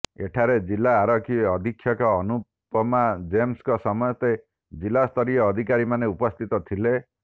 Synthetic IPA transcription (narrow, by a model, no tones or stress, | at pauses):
eʈʰaɾed͡ʒilaːɾɔkʰiɔd̪ʱikʰːjɔkɔːnu | pɔmad͡ʒemskɔsɔmɔjɔt̪e | d͡ʒilast̪ʰɔɾiɔːd̪ʱikaɾimaneupɔst̪ʰit̪ɔt̪ʰile